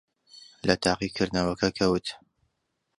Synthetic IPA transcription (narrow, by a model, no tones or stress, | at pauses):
lɐt̪ʰɑːqikʰɨɾd̪nɐwɐkʰɐkʰɐwɨt̪